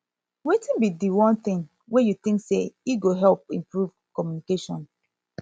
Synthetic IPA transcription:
wetĩnbidiwɔ̃nt̪ĩŋ | wejut̪ĩŋkseiɡoɦɛlp̚ĩmpɹuv | kɔmjunikeʃɔ̃n

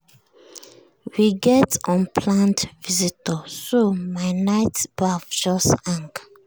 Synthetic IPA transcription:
wiɡɛtɔ̃npʰlãntvizitəsomaɪnaɪtb̥afd͡ʒɔsãŋk

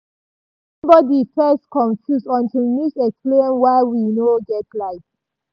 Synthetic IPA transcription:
ʌ̃mbɔdifɛskʰɔ̃nfjusɔ̃ntʰilmisɛksplẽnwaɪwinoɡɛtlaɪf

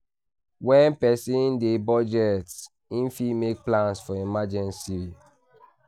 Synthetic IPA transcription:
wɛ̃npɛsĩndebɔd͡ʒɛts | ĩnfimek̚plãnsfɔimad͡ʒɛ̃nsii

